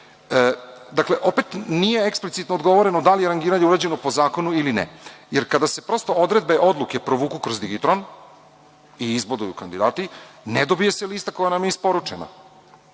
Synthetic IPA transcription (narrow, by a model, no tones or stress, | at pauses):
əd̪akle̞ʔo̞pet̪nije̞eksplit̪sit̪nod̪ɡo̞ʋo̞ɾe̞nod̪alijeɾaŋɡiɾaɲeuɾad͡ʑe̞nopo̞zaːko̞nuilinɛ̰jeɾkad̪ase̞pɾo̞st̪o̞od̪ɾe̞d̪be̞ʔo̞d̪lˠuke̞pɾoʋuːkukɾo̞zd̪iɡit̪ɾon | iizbod̪ujukand̪id̪aːt̪ined̪obije̞seliːst̪ako̞janamjeispo̞ɾut͡ʂena̰